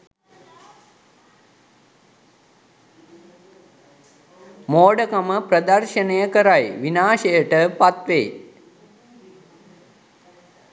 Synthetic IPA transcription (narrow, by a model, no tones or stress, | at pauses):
moːɖəkaməprɐd̪ɐrʃənejəkəɾajʋinaːʃejəʈəpat̪ʋej